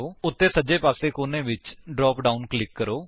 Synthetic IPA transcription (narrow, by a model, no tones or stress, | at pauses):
oːʊt̪ːeːsəd͡ʒeːpaːseːkoːneːʋɪt͡ʃɖɾɔːpɖaːʊnklɪkːəɾoː